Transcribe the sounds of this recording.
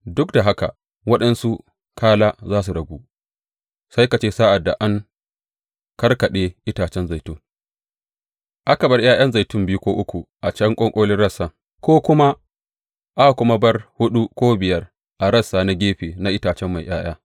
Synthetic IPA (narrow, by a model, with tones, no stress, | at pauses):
dʊ˦kda˨ɦa˦ka̰˨ | wɐ˦ɗɐ˦nsu˦ | kaː˦laː˦zaː˦s̬u˨ɽɐ˨ɡʷuː˦ | sa˦jka˨t͡ʃeː˦saː˦ʔa˨dːa˨ʔa˦ŋ | kɐ˦rkɐ˨ɗeː˦ʔɪ˦taː˨t͡ʃɛ˦nza˨jtʊ˦ŋ | ʔa˦kɐ˨bɐ˦rj̰ʔaː˦j̰ɐ˦nza˨jtʊ˦mbɪ˦ju˦kʷoː˦ʔʊ˦kʷu˨ʔa˨t͡ʃɐ˦ŋkʷʼɔ˦ŋkʷʼoː˦lɪ˦nɽɐ˦sːaː˦˨ | kʷoː˦kʷʊ˦ma˦ | ʔa˦˨kʷʊ˦ma˦bɐ˦rhʊ˦ɗu˦kʷoː˦bɪ˨jɐ˦r | ʔa˨ɾɐ˦sːaː˦na˦ɡʲeː˦ɸeː˨na˦ʔɪ˦taː˨t͡ʃɛ˦mːa˨jʔj̰aː˦j̰aː˦